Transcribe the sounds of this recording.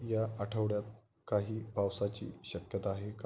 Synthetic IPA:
jaʔaʈʰəʋɽjat̪̚ | kaɦiːbʱaʋsat͡ɕḭːɕəkjət̪aːɦek

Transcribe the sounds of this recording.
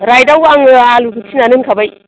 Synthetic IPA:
ɾajdawaŋalukutinaniŋkabaj

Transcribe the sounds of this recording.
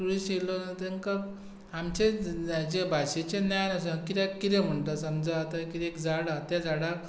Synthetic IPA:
uɽiɕelonət̪eŋka | amt͡ɕed͡ʑebʱaɕet͡ɕẽnjajnasə̃kiɾekiɾem̤əɳʈəsəmd͡zat̪akiɾekd͡zaɽat̪ad͡zaɽa

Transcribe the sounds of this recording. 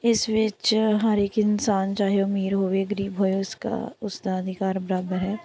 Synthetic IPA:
ɪsʋɪt͡ʃɦəɾeːkɪnsaːnt͡ʃaːɦeʊmiːɾɦoːʋeɡəɾiːbɦoːeʊska̰ʊsd̪aəd̪ʱɪkaːɾbəɾaːbəɾɦɛː

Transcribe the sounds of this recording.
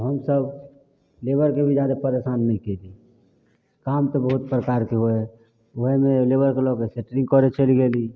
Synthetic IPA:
ɦəmsəb | lebəɾkebʱid͡ʒad̪apəɾesanːəɦĩked̪i | kamt̪ɔbəɦut̪̚pɾəkaɾkeɦoɛ | oɦemelebəɾkelokeseʈɾĩŋɡkɔɾet͡ʃəliɡeli

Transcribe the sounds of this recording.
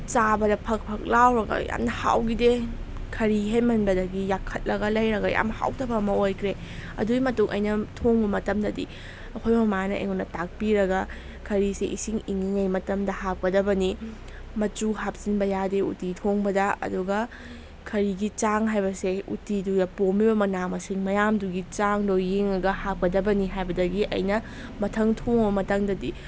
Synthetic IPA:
t͡ʃabɐdɐpʰɐk̚pʰɐk̚lawɾɐɡɐ̰ja̰mnɐha̰wɡidekʰɐɾiɦejmɐnbɐdɐɡijakʰːɐt̚lɐɡɐlɐjɾɐɡɐja̰mnɐha̰wtɐbɐmɐojkʰɾe | ɐ̰duɡimɐtuŋʔɐ̰jnɐtʰoŋbɐmɐtɐmdɐdḭ | ɐkʰojmɐmanɐʔḛŋunɐtak̚piɾɐɡɐ | kʰɐɾiseʔisiŋiŋiŋɐjmɐtɐmdɐhak̚pɐdɐbɐni | mɐt͡ʃuɦap̚sinbɐjadeṵtitʰoŋbɐdɐɐ̰duɡɐ | kʰɐɾiɡit͡ʃaŋɦajbɐseṵtidujɐpomibɐmɐnamɐsiŋmɐjamduɡit͡ʃaŋdojeŋɐɡɐhap̚kɐdɐbɐniɦajbɐdɐɡiʔɐ̰jnɐ | mɐtʰɐŋtʰoŋbɐmɐtɐŋdɐdi

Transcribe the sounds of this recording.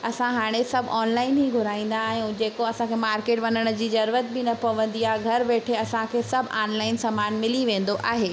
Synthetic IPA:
ɐsãɦaːɽ̃esɐbʱaːnlaːɪnɦiɡʱʊɾaːĩːn̆d̪aɦĩũd͡ʑeːkoɐsãkʰemaːɾkeːʈʋɐnəɽ̃ʊd͡ʑiːd͡ʑɐɾuːɾət̪̚bɪnɐpɐʋə̃nd̪iaɡʱɐɾʋeːʈʰeɐsãkʰesɐbʱaːnlaːɪnsɐmaːnmɪliʋẽːn̆d̪oʔʔa̰ːɦeː

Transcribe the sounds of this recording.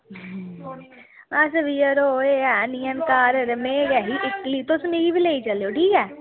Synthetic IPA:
aːsɐbijəɾoeɛnijənkaːɾɾəmeɡɐɦiʔɪklit̪osmiɡibʱileːit͡ʃɐleoʈʰiːkɛː

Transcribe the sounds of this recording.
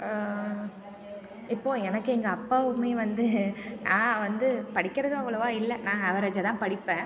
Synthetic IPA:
ɪpːoːɛnɐkːɯɛŋɡɐːpːaːʋɯmːeːʋɐnd̪ɯnãːʋɐnd̪ɯpɐɽɪkːɐɾɐðɯ̃ɐʋɐɭɐʋaːɪlːɛnãːɐʋɐɾɐd͡ʒɐt̪ãːpɐɽɪpːẽː

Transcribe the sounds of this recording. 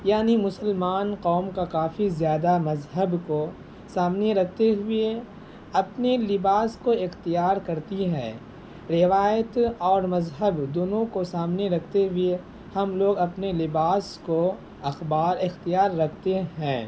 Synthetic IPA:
jaːnimʊsəlmaːnqɔːmkakaːfʰizjaːd̪amɐzɦəbko | saːmneɾɐkʰt̪eɦʊe | ɐpnelɪbaːskoɪxt̪ijaːɾkɐɾt̪iɦɛ̃ː | ɾɪʋaːjət̪ɔːɾmɐzɦəbd̪oːnõkosaːmneɾɐkʰt̪eɦʊe | hɐmloːɡɐpnelɪbaːsko | ɐxbaːɾɪxt̪ijaːɾːɐkʰt̪eɦɛ̃ː

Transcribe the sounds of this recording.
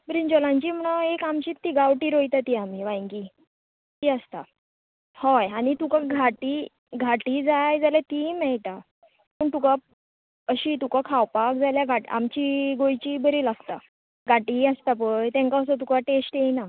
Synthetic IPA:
bɾiɲd͡ʑɔlãɲt͡ɕiːm̤əɽ̃əekamt͡ɕiːt̪ːiːɡawʈiːɾojt̪at̪iːamiʋãjŋki | t̪iəst̪a | hɔjañit̪ukaɡʱaʈiː | ɡʱaʈiːd͡zajd͡zaljat̪iːmɛɭʈ̪a | pəɳt̪uka | əɕiːt̪ukakʰawpak̚d͡zaljaɡʱaʈa̰mt͡ɕiːɡojt͡ɕiːbəɾilaɡt̪a | ɡʱaʈiast̪apəjt̪ɛ̃ŋkaəsat̪ukaʈesʈjena

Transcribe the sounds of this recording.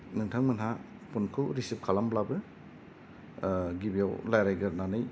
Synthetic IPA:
nɯŋtʰaŋmɯnɦa | punkʰɯɾisip̚kʰalamblabɯ | ɡibijawlajɾajɡɯɾnanɯj

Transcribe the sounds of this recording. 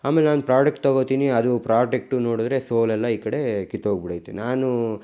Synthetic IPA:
aːmelenaːnupɾaːd͡ʒek̚ʈt̪ɐɣot̪iːniɐd̪upɾaːɖek̚ʈuno̞ːɽud̪ɾe̞soːlɛlːɐiːkɐɽe̞kit̪ːɦoːɡ̚biɽɐjt̪ːenaːnu

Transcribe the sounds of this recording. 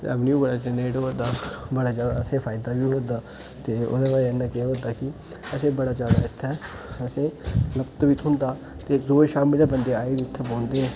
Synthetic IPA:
ə̰ʋniuːbəɽaːd͡ʒəneːʈɦoːd̪aːbəɽaːd͡ʒaːd̪aːəsẽːpʰaːɪd̪aːbiːɦoːd̪aː | t̪eːo̰ːd̪eːʋaːɛnaːkeɦoːd̪aːkɪ | əsẽːbəɽaːd͡ʒaːd̪a̰ːɪt̪ʰːɛ | əsẽːləbt̪ʋiːt̪ʰʊ̃nd̪aː | t̪eːzoːeʃaːmiːleːbənd̪eːaːeːd̪iɪt̪ʰːɛpõːnd̪eːɛː

